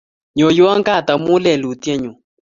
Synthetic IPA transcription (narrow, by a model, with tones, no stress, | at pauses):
ɲɔ˨jwa˦ŋɡa˦˨ta˨mu˦lɛ˦˨lu˨tjɛ˦ɲu˨